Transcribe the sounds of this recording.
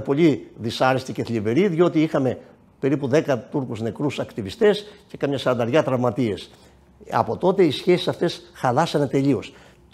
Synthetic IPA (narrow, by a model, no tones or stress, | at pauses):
po̞ʎiðisɐɾest̪ice̞θlive̞ɾiðjo̞t̪iixɐme̞ | pe̞ɾipuðe̞kɐt̪uɾkuzne̞kɾusɐkt̪ivist̪e̞sce̞kɐmɲɐsɐɾɐnd̪ɐɾʝɐt̪ɾɐvmɐt̪ie̞s | ɐ̰po̞t̪o̞t̪e̞isçe̞si̥sɐft̪e̞sxɐlɐsɐnet̪e̞ʎio̞s